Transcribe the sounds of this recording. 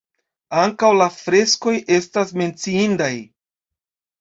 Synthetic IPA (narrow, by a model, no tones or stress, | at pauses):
aŋkawlafɾe̞sko̞jʔe̞stasme̞nt͡siindaj